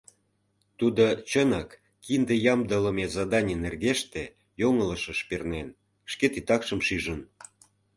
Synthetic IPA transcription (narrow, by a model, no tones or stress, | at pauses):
t̪ud̪ot͡ɕənɑkː | ind̪ejɑmd̪ələ̆mezɑd̪ɑnʲinerɣeʃt̪e | joŋələ̆ʃəʃpernen | ʃket̪it̪ɑkʃə̆mʃiʒən